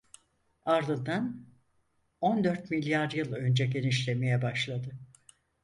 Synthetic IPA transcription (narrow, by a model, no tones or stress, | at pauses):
aɾd̪ɯnd̪an | o̞nd̪øɾt̪milʲjaɾjɯlˠø̞nd͡ʒɛɟe̞niʃlʲe̞me̞jɛbaʃlˠad̪ɯ